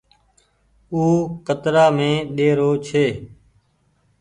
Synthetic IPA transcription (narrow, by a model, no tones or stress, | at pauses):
uːkət̪ɾaːmẽːɗeːɾoːt͡ʃʰeː